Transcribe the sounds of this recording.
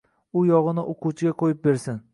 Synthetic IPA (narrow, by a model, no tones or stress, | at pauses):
ʊjɒʁɨnɪʔoqʰut͡ʃʰɪɡʲaqʰojɪp̚beɾsɪn